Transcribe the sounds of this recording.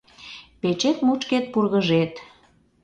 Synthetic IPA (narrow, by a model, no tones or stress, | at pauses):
pet͡ɕet̪mut͡ʃket̪̚purɣəʒet̪